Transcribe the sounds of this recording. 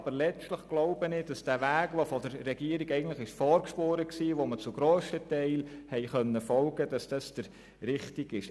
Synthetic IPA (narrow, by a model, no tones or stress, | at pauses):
ɑbəɾlɛt͡ʃtləχɡ̥loʊbənɪd̥ɑsd̥æːʋæːɡ̥ʋofɔdəɾːɛɡ̥iəɾiɡɛɪɡən̩tləχɪʃfɔːɾkʃpoːɾəksiːʋomət͡sʊɡ̥ɾoːsətɛɪlhɛɪχœnːəfɔlɡəd̥ɑsd̥ɑsd̥əɾ | ɾɪχtiɡ̥ɪʃ